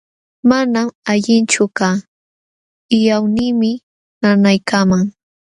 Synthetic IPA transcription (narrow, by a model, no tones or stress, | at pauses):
manamaʎɪnt͡ʃʊkaː | ɪjawniːmɪ | nanajkamaŋ